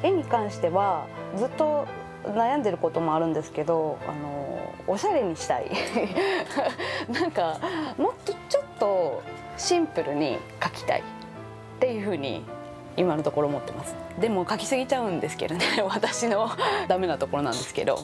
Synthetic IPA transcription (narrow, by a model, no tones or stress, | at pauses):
e̞ɲ̟ikãɰ̃ɕi̥t̪e̞βad͡zɨt̪ːo̞ | najãnd̪e̞ɾɯ̟ko̞t̪o̞mo̞aɾɯ̟̃nd̪e̞sɨ̥ke̞d̪o̞a̰no̞̰ːɕaɾe̞ɲ̟iɕi̥t̪a̰ḭ | nãŋkamo̞t̪ːot͡ɕo̞t̪ːo̞ | ɕĩmpɯ̟ɾɯ̟ɲ̟ḭ | kakʲi̥t̪a̰ḭ | t̪ːe̞jɯ̟ːɸɯ̟ːɲ̟ḭ | imanot̪o̞ko̞ɾo̞ːmot̪ːe̞masɨ̥ | d̪e̞mo̞kakʲi̥sɨɡʲit͡ɕaɯ̟̃nd̪e̞sɨ̥ke̞̰d̪o̞neβat̪aɕino̞d̪ame̞nat̪o̞ko̞ɾo̞nã̰nd̪e̞sɨ̥ke̞̰d̪o̞̰